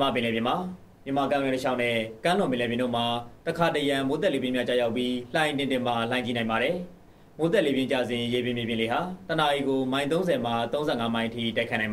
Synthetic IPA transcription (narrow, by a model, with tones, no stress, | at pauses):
əma̰˦˨p̬ɪ̃˨lɛ˨bjɪ̃˨ma˨ | mjə˨ma˨kã˦˨wɛ̃˦˨təʃʰa̰˦ʊʔnɛ˦˨kã˦l̥ʊ̃˨mɪ̃˨lɛ˨bjɪ̃˨ndo̰˦˨ma˨təkʰa˨təjã˨mo˨˦t̪̬ɛ˦ʔle˨bjɪ̃˦mja̰˦t͡ɕa̰˦˨ja˦ʊpːji˦l̥ã˨ɪ̃ntɪ̃˨ntɪ̃˨ma˨lã˨ɪ̃t͡ɕi˦˨nã˨ɪ̃mba˨ɾɛ˨ | mo˨˦t̪ɛ˦˨le˨bjɪ̃˦t͡ɕä̰˦˨zɪ̃˨je˨bɪ̃˨mje˨bjɪ̃˨le˨ɦa˨təna˨ʔi˨ɡo˨mã˦ɪ̃nt̪̬õ˦ʊ̃zɛ˨ma˨t̪õ˦ʊ̃zɛ̰˦˨ŋa˦mã˦ɪ̃ʔətʰḭ˦˨ta˦˨kʰnã˨ma˨˦